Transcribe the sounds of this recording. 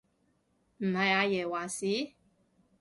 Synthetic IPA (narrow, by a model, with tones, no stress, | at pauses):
m̩˨˩hɐ˨˩jaː˨˧jɛː˨˩waː˨˩siː˨˥